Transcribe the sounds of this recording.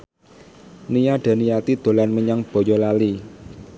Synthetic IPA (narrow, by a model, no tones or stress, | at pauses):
nijaɖ̪̥ä̤nijat̪id̪̥o̤lanməɲaŋb̥ɔ̤jɔlali